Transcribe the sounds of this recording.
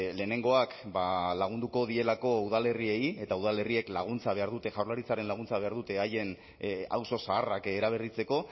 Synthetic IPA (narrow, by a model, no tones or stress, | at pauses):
le̞ːne̞ŋɡo̞akbalaɣ̞und̪uko̞ð̞ie̞lako̞uðale̞rie̞je̞t̪auð̞ale̞rie̞klaɣ̞unt͡saβe̞aɾðut̪e̞ʝawɾlaɾit͡saɾe̞nlaɣ̞unt͡saβe̞aɾðut̪e̞aje̞n | a̰wso̞saːrakeɾaβ̞e̞rit͡se̞ko̞